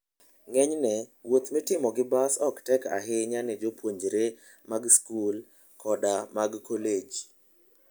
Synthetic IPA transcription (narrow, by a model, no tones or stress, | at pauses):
ŋɛɲnɛwot̪mɪtɪmɔɡɪbasɔktɛka̰ɦɪɲanɪd͡ʒopwoɲd͡ʒɾe | maɡskul | kʰɔdamaɡkoled͡ʒ